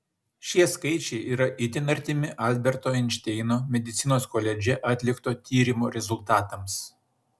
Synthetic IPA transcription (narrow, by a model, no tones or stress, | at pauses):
ʃʲiɛskɐɪt͡ʃʲɛɪʔiːɾɐʔɪt̪ʲɪnɐɾʲt̪ʲɪmʲɪʔɐlʲbʲɛɾt̪oːɪnʲt͡ʃʲt̪ʲɛɪnoːmʲɛd̪ʲɪt̪sʲɪnoːskoːlʲɛd͡ʒʲɛʔɐt̪ʲlʲɪkt̪oːt̪ʲiːɾʲɪmoːɾʲɛzʊlʲˠt̪ɑːt̪ɐms